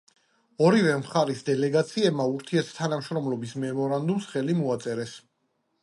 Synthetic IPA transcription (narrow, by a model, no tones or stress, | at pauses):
ɔɾivɛmχaɾisd̪ɛlɛɡat̪sʰiɛbmauɾt̪ʰiɛɾt̪ʰt̪ʰːanamʃɾɔmlɔbismɛmɔɾand̪umsχɛlimuat̪sʼɛɾɛs